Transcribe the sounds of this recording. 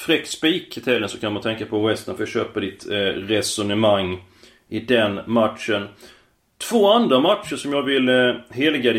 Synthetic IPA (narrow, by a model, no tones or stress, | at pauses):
fɾɛkspiːkt̪ʰɛlːənsɔkʰanmant̪ʰɛŋkapʰɔwɛst̪ənfœɾjaɕøːpad̪ɪt̪ɾɛsʊnəmaŋː | ʔɪd̪ɛnmat̪ʂən | t̪ʰv̥oːand̪ɾamat̪ʂəʂɔmjɑːɡvɪlɦeːlɡad̪ɛ